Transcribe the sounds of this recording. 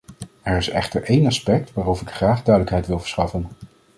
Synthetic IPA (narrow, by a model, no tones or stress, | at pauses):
ɛɹɪsɛ̰χtəɹʔejnɑspɛk̚tʋaːrowvəɹɪkχraːχdœɥdələkɦɛjtʋɪlˠv̥əɹsχɑfən